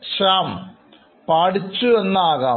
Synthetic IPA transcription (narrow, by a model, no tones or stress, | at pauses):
ɕaːm | paːɽit͡ɕːuenːaːɣaː